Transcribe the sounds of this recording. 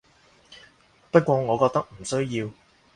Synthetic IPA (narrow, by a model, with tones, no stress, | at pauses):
pɐ˥t̚kʷɔː˧ŋɔː˨˧kɔː˧k̚t̪ɐ˥k̚m̩˨˩sɵ˥ɥjiː˧w